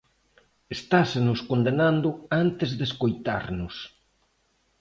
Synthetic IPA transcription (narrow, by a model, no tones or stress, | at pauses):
est̪asenʊskond̪enand̪ʊant̪ezðeskojt̪a̰ɾnʊs